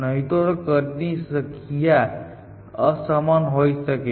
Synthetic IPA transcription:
nəɦit̪oɾkəɾnisəkʰija | əsamanɦojsəke

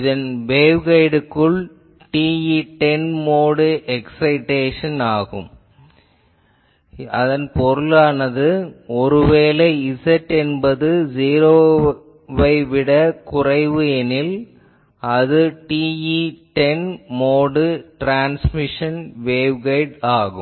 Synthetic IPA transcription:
ɪðɐnʋeːʋɣɐɪɽɯkːɯɭ | ʈiːiʈɛnmoːɽɯʔɛksɐɪʈːeːʂɐnaːɣɯ̰m | ɐ̰ðɐnpɔɾɯlaːnɐðɯɔɾɯʋeːlɐɪsɐʈːɛnbɐðɯd͡ʒiːɾoː | ʋɐɪʋɪɽɐkʊrɐɪʋɯɛnɪl | ɐðɯʈiːiʈɛnmoːɽɯʈɾaːnsmɪʂɐnʋeːʋɣɐɪɽaːɣɯm

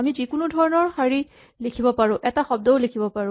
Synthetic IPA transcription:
amizikʊnudʱɔɹɔnɔɹxaɹi | likʰibɔpaɹʊ̃ʔɛtaxɔb̚dɔolekʰibɔpaɹʊ̃

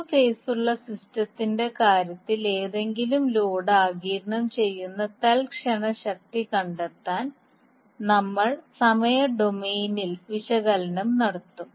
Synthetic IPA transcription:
feːsuɭːɐsistɐt̪ːinde̞kaːɾjɐt̪ːile̞ːðe̞ŋɡilumloːɽaːɡiːɾɳɐmt͡ɕe̞jːunːɐt̪elkʂɐɳɐɕɐk̚t̪ikɐɳɖet̪ːaːn | nɐmːɐɭsɐmɐjɐɖo̞meːnilʋiɕɐɣɐlɐnɐmnɐɽɐt̪ːum

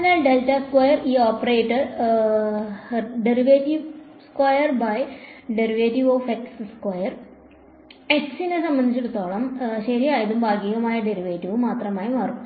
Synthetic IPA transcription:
ɐnɐɖeltɐskwɐjɐriːoːpːɐreːʈːɐ | ɖeɾiʋeːʈiʋ | skwɐjɐrbɐjɖeɾiʋeːtiʋoːfeksskwɐjɐr | eksinesɐmbɐnd̪it͡ɕːiɽut̪ːoːɭɐmɕɐɾiaːjɐðumbʱaːɡiːɣɐmaːjɐɖeɾiʋeːʈːiʋɨmaːt̪rɐmaːjumɐru

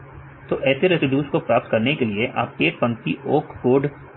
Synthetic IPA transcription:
t̪oːʔɛːseɾezɪɖjuːskopɾaːp̚t̪̚kɐɾnekelieʔa̰ːp̚ʈeːʈ̚pɐ̃ŋt̪iʔoːkkoːɾɖ

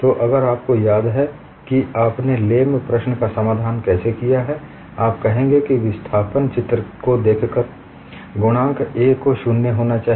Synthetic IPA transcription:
t̪oːʔɐɡəɾaːp̚kojaːd̪ɦɛ | kiaːpneleːmpɾəʃnəkasɐmaːd̪ʱaːnkɛːsekijaɦɛ | aːp̚kɛɦẽːŋɡekiʋɪst̪ʰaːpənt͡ʃɪt̪ɾəkod̪eːkʰkəɾ | ɡʊɽ̃ãːkʰeːkːoʃʊnːeɦoːnat͡ʃaːɦ

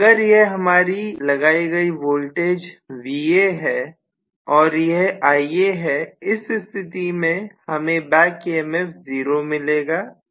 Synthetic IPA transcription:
ɡəɾjeɦɦɐmaːɾilɐɡaːiɡɐiʋoːlʈeːd͡ʒʋiːeɦɛː | ɔːɾjeɦaːieɦɛɪsɪst̪ʰɪt̪imẽhɐmẽbɛ̃ːkeːɛmɛfziːɾomɪleːɡaː

